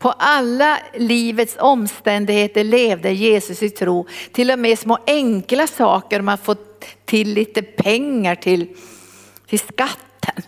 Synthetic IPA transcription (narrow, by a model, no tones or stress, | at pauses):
pʰɔʔalːaliːvət̪sɔmːst̪ɛnd̪ɪɡheːt̪əɭeːvd̪əjeːsɵsɪt̪ʰɾuːt̪ʰɪlːɔmɛsmoːʔɛŋklasɑːkəɾɔmad̪fɔt̪ʰːɪlːiːt̪əpʰɛŋːaʈʰɪl | t̪ʰɪlskat̪ːən